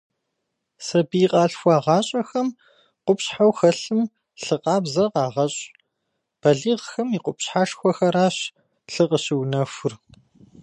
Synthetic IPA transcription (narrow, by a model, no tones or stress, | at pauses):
sɐbiːqʼɑːɬxʷɑːʁɑːɕʼɐxɐm | qʷʊpɕħawxɐɬɨm | ɬɨqʼɑːbzɐqɑːʁɐɕʼ | b̥ɐɮiːʁxɐmiːqʷʼʊpɕħaːʂxʷɔɐxɐɾaːɕ | ɬɨqəɕɪwnɐfʷʊr